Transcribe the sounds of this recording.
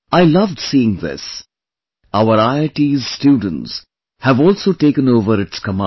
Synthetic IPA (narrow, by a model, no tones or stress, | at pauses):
aɪlʌvɖsiːɪ̃ŋðɪ̰s | aʊəɾaɪəʈizsʈjuːɖⁿə̃n̩ʈs | hævɔːlˠsoːʈeːkə̃noʊvəɾɪʈskəmã